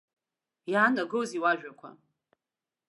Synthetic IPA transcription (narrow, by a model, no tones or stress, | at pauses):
jaːnaɡɨwziwaʒᶣakʷʰa̰